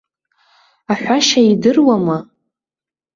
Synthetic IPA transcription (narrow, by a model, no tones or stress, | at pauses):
aħᶣʷaʃaidɨrwama